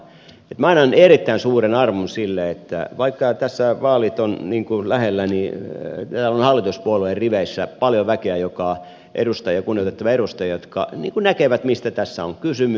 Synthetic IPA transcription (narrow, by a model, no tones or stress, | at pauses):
et̪mɑinɑnerit̪ːæinsuːrenɑrmunsilːeet̪ːæ̰ʋɑikːɑt̪æsːæʋɑːlit̪onniːŋkulæhelːænit̪æːlonhɑlːit̪uspuoluerriʋeisːæpɑljoʋækeæjokɑ | ʔḛdust̪ɑjjɑkunːiot̪et̪ːɑʋɑeɾust̪ɑjɑjot̪kɑ̰nḭːŋkunækeʋæt̪mist̪æt̪æsːæo̰ŋkysymy